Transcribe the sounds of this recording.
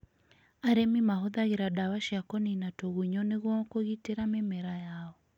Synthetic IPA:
aɾɛmimaɦɔðaɣiɾaɗawaʃiakɔninatoɣuɲɔneɣwaɔkoɣiteɾamɛmɛɾajaɔ

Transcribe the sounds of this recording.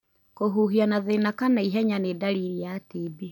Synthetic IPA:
koɦuɦianaðenakanaiɦɛɲanedaɾiɾijatibi

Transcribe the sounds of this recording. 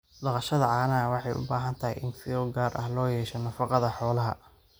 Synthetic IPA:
lɑqɑʃɐðɐʕɑːnɐwɑħɑjʔʊ̰baːɦɐnt̪ʰɐɦɛjʔɪnfɪɔɡaːɾʔɐ̰hlɔːjɛːʃɔnɐfɑqɑðɐħɔːlɐɦɐ

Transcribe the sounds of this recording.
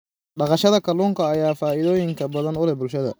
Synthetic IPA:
ɖɑqɑʃɐðɐkʰɐluːŋkʰɐːjaːfaːɪðɔːjɪŋkʰɐbɐðɐnʊlɛbʊlʃɐðɐ̰

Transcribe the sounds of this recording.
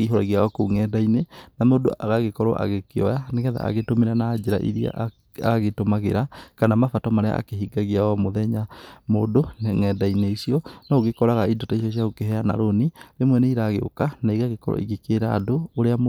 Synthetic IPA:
eɦɔɾɔɣiaɔkoŋɛdainenamoːdo̰ʔaɣaɣekɔɾɔʔa̰ɣekeɔjaneɣɛða̰a̰ɣetomeɾanaːd͡ʒeɾa̰ʔḭɾia̰ʔ | a̰ɣaɣetomaɣeɾakanamafatɔmaɾea̰ːkeɦiɡaɣiaɔmoðɛɲamoːdoneŋɛdaineisiɔnɔːɣekɔɾaɣaidɔtais̬ɔs̬jaɣokeɦɛana̰ɾoniɾemwɛneiɾaɣeo̰kanaiɣaɣekɔɾɔ̰ḭɡekeɾa̰ːdooɾeam

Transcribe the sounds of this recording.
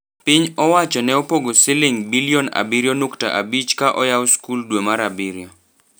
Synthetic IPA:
pɪɲɔwat͡ʃɔnɛopoɡosɪlɪŋbilijɔna̰biɾjɔnukta̰ʔabit͡ʃkaʔɔjawskuldwemaɾabiɾjɔ

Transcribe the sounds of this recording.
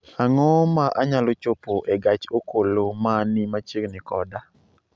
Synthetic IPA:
aŋɔmaʔaɲalot͡ʃopoʔeɡat͡ʃokolomanɪmat͡ʃiknɪkɔda

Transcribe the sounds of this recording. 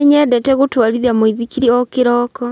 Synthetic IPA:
ɲɛdɛtɛɣotwaɾiðiamoiðikiɾiɔkeɾɔkɔ

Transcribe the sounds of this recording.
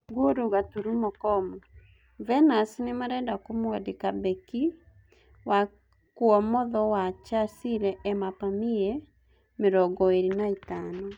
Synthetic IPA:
ɡwoɾuɣatuɾumɔkɔmɔ | vɛnasnemaɾɛndakomwadekabɛki | wa | kuɔmɔðɔwat͡ʃasiɾɛʔɛmapamiɛ | meɾɔɡɔeɾinaitanɔ

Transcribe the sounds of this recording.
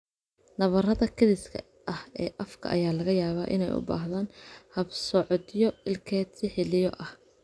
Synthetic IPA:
nɐβɐrɐðɐkʰɐðɪskʰɐ̰ | ʔɐhɛːʔɐfkʰɐ̰ʔɐ̰jaːlɐɣɐjaːβa̰ːʔɪ̰nɛ̰jʊ̰ba̰ːɦðaːnhɐbsɔʕɔd̪jɔɪlkʰɛːd̪sɪħɪlɪjɔʔɐh

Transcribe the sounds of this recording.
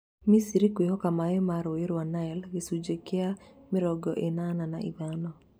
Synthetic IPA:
misiɾikweɦɔkamaemaɾoeɾwanaɛlɡesud͡ʒekeamɪɾɔɡɔʔenanana̰ʔḭβanɔ

